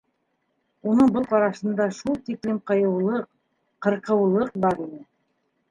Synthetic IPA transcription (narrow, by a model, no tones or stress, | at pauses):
unɤɴbɤlˠqɑɾɑʃɤ̆nd̪ɑʃulˠt̪iklɘmqɤ̆jɤ̆wlˠɤq | qɤ̆ɾqɤ̆wlˠɤq̚bɑɾinɘ